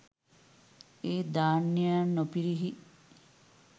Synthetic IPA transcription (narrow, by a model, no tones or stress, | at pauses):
eːd̪aːnːijannopiɾiɦi